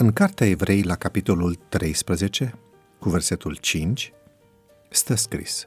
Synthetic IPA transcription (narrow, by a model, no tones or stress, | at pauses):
ɨŋkart̪eaevɾʔe̞jlakapit̪o̞lult̪ɾʔe̞jspɾəze̞t͡ʃe̞ | kuve̞rse̞t̪ult͡ʃint͡ʃʲ | st̪əskɾḭs